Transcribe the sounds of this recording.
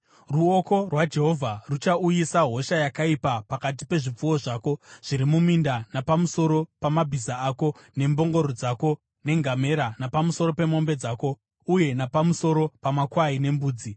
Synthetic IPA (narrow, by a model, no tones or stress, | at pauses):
ruoko̞rwad͡ʒe̞ɦo̞vʱarut͡ʃaujisaɦo̞ʃajakaipapakat̬ipe̞ʐip͡fuwo̞ʐaːko̞ʐ̥iɾimumindanapamuso̞ɾo̞pamabʱizaːko̞ | ne̞mbo̞ŋɡo̞ɾod͡zako̞ | ne̞ŋɡame̞ɾanapamuso̞ɾo̞pe̞mo̞mbe̞d͡zaːko̞ | uje̞napamuso̞ɾo̞pamakwaine̞mbuːd͡zi